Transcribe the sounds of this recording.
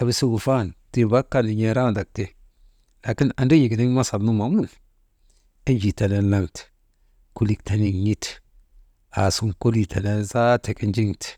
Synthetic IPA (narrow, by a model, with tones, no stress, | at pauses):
a˨βi˨su˦ɡu˨fa˦˨nti˨ba˦kːa˦ni˨ɲe˨ɾa˦˨da˨k̚te˨ | la˨ki˦na˨ndo˦ji˨ɡni˦ŋ˦ma˦sa˨lnu˦ma˨m˦u˦˨l | i˦nd͡ʒi˨ta˨ne˦nla˦ŋt | ku˦li˨kta˦ni˨ɲi˦t | a˨su˦ŋko˦li˨ta˨ne˦nza˦te˨ki˦nd͡ʒi˦ŋt